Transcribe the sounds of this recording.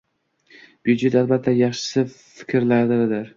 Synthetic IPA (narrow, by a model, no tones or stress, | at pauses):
bjud͡ʒet̪albat̪ʰːajɑχʃɪ̥sɪ | fɪ̥kʲʰɾlaɾd̪ɪɾd̪ɪɾ